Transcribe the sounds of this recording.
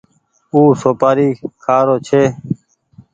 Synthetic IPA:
uːsoːpaːɾiːkʰaːɾoːt͡ʃʰeː

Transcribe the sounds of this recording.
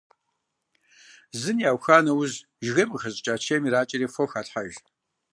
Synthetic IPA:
zɨnjaːwxaːnɐwʊz | ʒɣɐmʼxɐzʼt͡ʃʼaːt͡ʃʰeːmiɾaːt͡ʃʼɐɾiːfoxaːɬħaʒ

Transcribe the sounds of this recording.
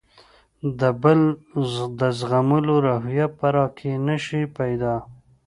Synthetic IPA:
d̪əbəl | d̪əzɣamʊloɾaɦjapaɾɑkʰenəʃipajd̪ɑ

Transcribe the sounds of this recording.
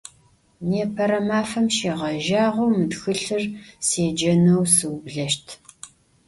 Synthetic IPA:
neːpʰɐɾɐmaːfɐmʃeːʁɐʒaːʁʷɐwmɨdxɨɬɨrseːd͡ʒɐnɐwsɨwbɮɐʃtʰ

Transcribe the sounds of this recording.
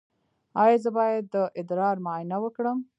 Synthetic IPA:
ɑjɑzəbɑjad̪ːəʔɪd̪ɾɑɾmajnawəkɽəm

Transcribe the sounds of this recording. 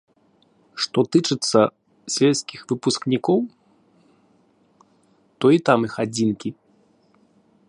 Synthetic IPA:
ʂt̪ɔt̪ɨt͡ʂɨt̪sːɐ | sʲvʲɛlʲskʲixvɨpusknʲikɔw | t̪ɔit̪amixad͡zʲinkʲi

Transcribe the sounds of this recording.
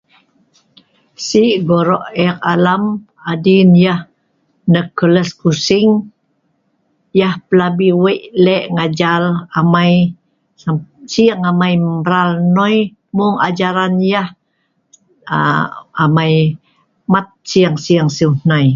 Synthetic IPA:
siʔɡoɾɔʔɛkalam | adinjah | nəkələskusɪŋ | jahpəlabiwəʔlɛʔŋad͡ʒalamaj | asiaŋamajəɾalnɔj | mʊŋad͡ʒaɾanjah | amaj | mat̪̚siaŋsiaŋsiuhnaj

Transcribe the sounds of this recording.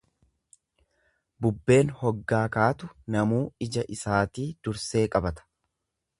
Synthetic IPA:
bʊbːe̞ːnhɔɡːaːkaːt̪ʊnɐmuːɪd͡ʒɐʔɪsaːt̪iːd̪̥ʊɾse̞ːkʼɐbɐt̪ɐ̥

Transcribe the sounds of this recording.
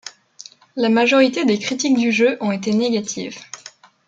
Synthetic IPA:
lamaʒɔʁit̪ed̪ekχit̪ik̚d̪yʒøʔɔ̃et̪eneɡʲat̪ʰḭːv

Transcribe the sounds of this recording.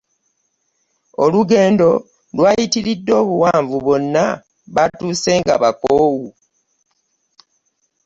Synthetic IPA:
o̞luɡe̞ːndo̞ | lwaːjitiɾidːo̞ːβuwaːɱvuβo̞nːa | βatuːse̞ːŋɡa̰βakoːwu

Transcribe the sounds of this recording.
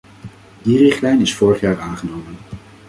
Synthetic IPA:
dirɪχtlɛjnɪsfʊːɹəχjaːɹaːnχənowmən

